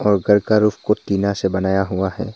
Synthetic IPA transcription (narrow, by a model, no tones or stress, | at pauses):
ɔːɾɡəɾkaɾupʰkot̪iːnasebɐnaːjaɦʊaɦɛ̰ː